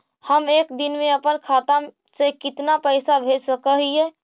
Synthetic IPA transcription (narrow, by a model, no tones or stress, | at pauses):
həmeːkd̪ɪnmẽəpənkʰaːt̪a | sekɪt̪napəɪsabʱed͡ʒsəkəɦiɦɛ